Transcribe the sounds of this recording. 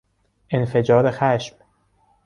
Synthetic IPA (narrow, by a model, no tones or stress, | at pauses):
ʔe̞nfe̞d͡ʒɒːɾe̞xæʃm